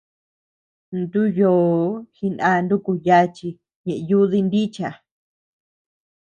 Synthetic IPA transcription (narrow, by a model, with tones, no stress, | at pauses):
nd̪u˦joː˧˨hi˧nã˧nd̪u˦ku˧ja˦t͡ʃi˧ | ɲẽ˨ʔe˧ju˦ði˦˧nd̪i˦t͡ʃa˨